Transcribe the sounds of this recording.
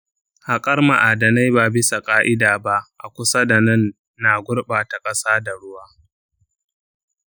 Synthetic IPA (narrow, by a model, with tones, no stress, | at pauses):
ha˨kʼɐ˦rma̰˨ʔa˨dɐ˨na˦jbaː˨bɪ˦sa˨kʼaː˦ʔɪ˦daː˨ba˦ʔʔa̰˨kʷʊ˦sa˦da˨nɐ˦nː | aː˨ɡʷʊ˦ɽɓaː˨ta˨kʼɐ˦saː˦da˨ɽʊ˦waː˦